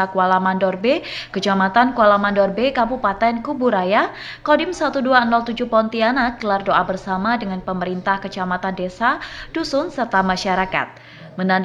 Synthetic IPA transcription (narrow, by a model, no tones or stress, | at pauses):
akualamandɔrbekət͡ʃamat̪ankualamandɔrbekampupat̪ɛnkubuɾaja | kɔdɪmsat̪uduaənɔlt̪ud͡ʒupɔnt̪ianaɡ̥əlardoʔabərsamadəŋanpəməɾint̪ahkət͡ʃamat̪andesad̥usʊnsərt̪amaʃaɾaka̰t̪̚ | mənan